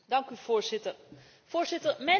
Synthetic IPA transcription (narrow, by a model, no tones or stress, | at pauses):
dɑŋkyv̥ʊːɹzɪtəɹ | v̥ʊːɹz̥ɪtəɹmɛ